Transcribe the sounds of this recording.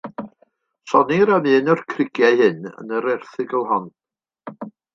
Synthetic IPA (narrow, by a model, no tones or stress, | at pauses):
sɔniɾamɨːnərkʰrɪɡjaɨhɨnə̰nəɾɛrθɨɡəlˠɦɔn